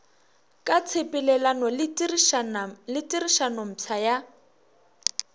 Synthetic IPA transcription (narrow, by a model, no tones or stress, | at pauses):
kʼat͡sʰepʼilɛlanɔl | lɪtʼiriʃanɔm̩t͡sʰaja